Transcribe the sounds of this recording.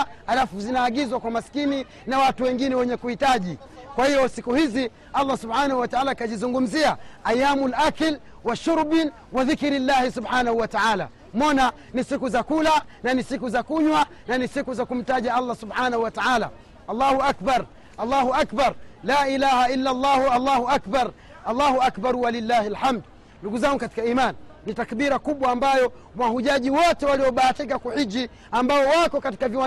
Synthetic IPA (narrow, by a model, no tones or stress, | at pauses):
halafuzinaːɠizwakwamasi̥kini | nawatuwɛŋɡinɛwɛɲɛkuhitaʄi | kwahijɔsikuhizi | alːasubħaːnahuwataʕalakaʄizuŋɡum̩ziaajːamulʔakil | waʃuɾbin | waðikɾilːahisubħanahuwataaːla̰ | mɔna | nisikuzakulananisikuzakuɲwa | nanisikuzakum̩taʄaalːasubħaːnahuwataʕaːla̰ | alːaːhuakbaɾ | alːaːhuakbaɾlaːilahailːalːaːhalːaːhuakbaɾ | alːaːhuakbaɾwalilːaːhialħamd | nduɡuzaŋɡukati̥kaiːmanː | itakɓiɾakuɓwaːmbajɔ | wahuʄaʄiwɔtɛwaliwɔɓaːtikakuhid͡ʒi | ambaɔwakɔkati̥kaviwa